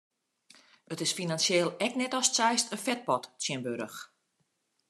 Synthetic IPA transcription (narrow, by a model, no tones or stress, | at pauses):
ətɪsfinansjeːlˠɛknɛtɔstsɛjstəfɛt̚pɔtsjɪnbøɾəx